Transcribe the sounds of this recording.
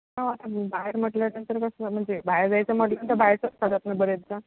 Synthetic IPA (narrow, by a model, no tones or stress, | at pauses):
naʋat̪abaeɾm̤əʈlanənt̪əɾkəsm̤əɳd͡zebajɾd͡zajt͡səməɽunt̪əbajɾt͡səskʰad̪at̪nabəɾed̪t͡sa